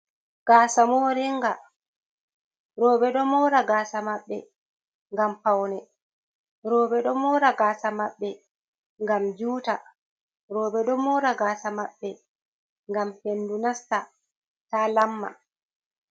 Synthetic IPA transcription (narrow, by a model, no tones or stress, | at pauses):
ɡ̥aːsamoːɾiŋɡa | ɾɔːbɛɗɔmɔɾaɡaːsamaɓːɛ | ŋɡampawnɛ | ɾɔːbɛɗɔmɔɾaɡaːsamaɓːɛ | ŋɡamd͡ʒuːta | ɾɔːbɛɗɔmɔɾaɡaːsamaɓːɛ | ŋɡamhendunasta | taːlamːa̰